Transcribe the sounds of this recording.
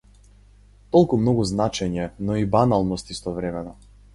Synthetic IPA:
t̪ɔlˠkumnɔɡuznat͡ʃɛɲɛnɔibanalˠnɔst̪ist̪ɔvɾɛmɛnɔ

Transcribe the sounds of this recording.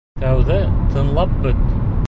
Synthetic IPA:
t̪æwðɘt̪ʰɤ̆nlˠɑp̚bɵt̪̚

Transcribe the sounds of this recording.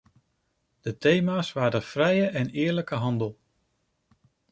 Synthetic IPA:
d̥ətejmaːsʋaːdəfrɛjəʔɛnɪːɹləkəɦɑndəlˠ

